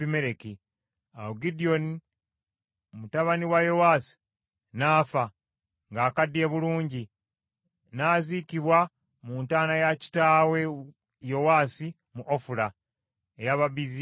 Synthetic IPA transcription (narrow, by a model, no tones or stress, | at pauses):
imeɾeki | awuɡidio̞ni | mutaβaniwajo̞waːsi̥ | naːfa | ŋɡaːkadːie̞βuluːɲɟi | naːziciβwa | muːntaːnajaci̥taːwe̞ | jo̞waːsi | muʔofula | ejaβaβizi